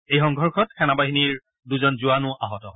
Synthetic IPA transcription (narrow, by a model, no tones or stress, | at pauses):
ejxɔŋɡʱɔɹkʰɔtkʰɛnabaɦiniɹ | duzɔnzʊanʊʔaɦɔtɔɦɔ